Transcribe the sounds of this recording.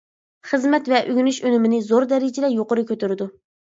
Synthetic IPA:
χəzmɛt̪vɛʔyɡʲynyʃønɪmɪnɪzoɾd̪ɛɾɪd͡ʒɪd̪ɛjoqʊɾʊkʲʰøt̪yɾɪd̪u

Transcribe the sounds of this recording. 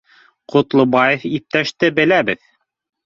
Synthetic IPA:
qʰŏt̪lˠŏbɑjefip̚t̪æʃt̪ɘbɘ̆læbɘð

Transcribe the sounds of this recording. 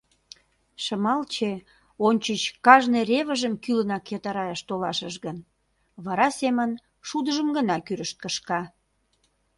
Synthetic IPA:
ʃəmɑlt͡ɕe | onʲt͡ɕət͡ɕkɑʒnereβəʒəmkylənɑkːet̪ɑɾɑjəʃt̪olɑʃəʃɣən | βɑɾɑsemən | ʃud̪əʒəmɡənɑkyɾəʃt̪̚kəʃkɑ

